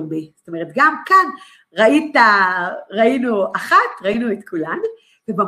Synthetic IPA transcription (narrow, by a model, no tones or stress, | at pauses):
mbizot̪ome̞ʁet̪ɡamkan | ʁait̪aʁainuʔaχat̪ʁainuet̪kʰulanu | veba